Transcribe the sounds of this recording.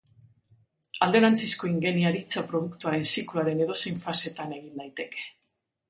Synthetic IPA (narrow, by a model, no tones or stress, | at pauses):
ald̪e̞ɾant͡sisko̞iŋɡe̞niaɾit͡sapɾo̞ð̞ukt̪uaɾe̞nsikluaɾe̞ne̞ðo̞sejɱfase̞t̪ane̞ɣ̞ind̪ajt̪e̞ke̞̥